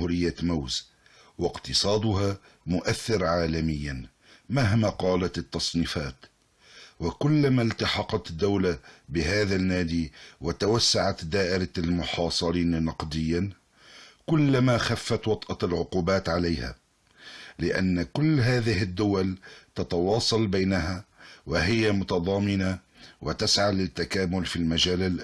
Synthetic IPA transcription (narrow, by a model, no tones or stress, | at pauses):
huːɾɪjːamawz | wɪqt̪ɨsˤɑːd̪ʊɦa | mʊʔaθːɪɾʕaːlamɪjːan | maɦmaqɑːlat̪ɪt̪ːɑsˤniːfaːt̪ | wakʊlːmalt̪ɑħɑqɑt̪d̪ːawlabɪɦaːðanːaːd̪iːwat̪awasːaʕat̪d̪aːʔɪɾalmʊħɑːsˤɨɾiːnnɑqd̪ɪjːa | kʊlːamaxafːat̪wɑt̪ˤʔɑlʕʊquːbaːt̪ʕalajha̰ | lɪʔa̰nːkʊlːɦaːðɪhɪd̪ːʊwalt̪at̪ɑwɑːsˤɑlbajnaɦawaɦɪjamʊt̪ɑðˤɑːmɪna | wat̪asʕalɪt̪ːakaːmʊlfiːlmad͡ʒaːlalʔ